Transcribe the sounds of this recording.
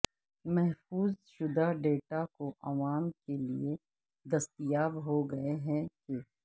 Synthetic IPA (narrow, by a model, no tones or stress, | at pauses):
mɛɦfuːzʃʊd̪aɖeːʈakoʔɐʋaːmkelḭe | d̪ɐst̪ɪjaːbɦoɡɐeɦɛ̃ke